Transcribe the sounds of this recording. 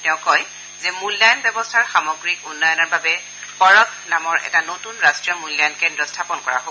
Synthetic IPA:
tɛʊ̃kɔj | zɛmulːajɔnbɛbɔstʰaɹxamɔɡɹikunːɔjɔnɔɹbabɛ | pɔɹɔknamɔɹɛ̰tanotunɹastɹijɔmulːajɔnkɛndɹɔstʰapɔnkɔɹa̰ɦo

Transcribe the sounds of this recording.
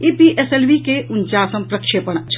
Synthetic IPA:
ipiʔeselʋikeʊɲt͡ʃaːsəmpɾɐkʃeːpəɳ̃t͡ʃʰ

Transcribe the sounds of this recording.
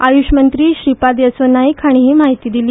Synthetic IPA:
ajuɕmənt̪ɾiːɕɾipad̪jəsənːaiːkʰaɽ̃iɦiːmaɦit̪iːd̪iliː

